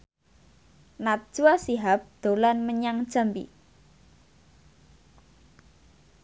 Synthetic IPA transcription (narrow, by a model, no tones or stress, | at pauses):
nat̪̚ʒ̥uasiɦap̚d̪̥o̤lanməɲaŋd̥ʒ̥a̤mpḭ